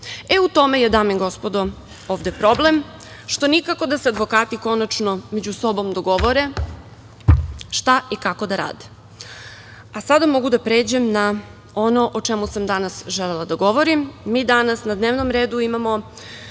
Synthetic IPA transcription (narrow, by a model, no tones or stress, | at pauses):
eut̪o̞me̞jed̪aːmiɡo̞spod̪o | oːʋd̪e̞pɾo̞blem | ʃt̪onikako̞d̪asead̪ʋo̞kaːt̪iko̞nat͡ʃnomed͡ʑuso̞bo̞md̪o̞ɡo̞ʋoɾe̞ | ʃt̪aʔikako̞d̪aɾa̰ːd̪e̥ | asad̪amo̞ɡud̪apɾeːd͡ʑemna | ono̞ʔot͡ʃemusamd̪anasʒelelˠad̪aɡo̞ʋoɾimːiːd̪anasnad̪neːʋnomɾeːd̪uimamo